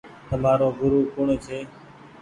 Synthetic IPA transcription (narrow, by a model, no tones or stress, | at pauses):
t̪əmaːɾoːɡʊɾuːkʊɳt͡ʃʰeː